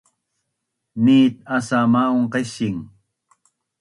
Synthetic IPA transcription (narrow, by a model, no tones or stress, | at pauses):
niːt̪̚asamaoɴqesiŋ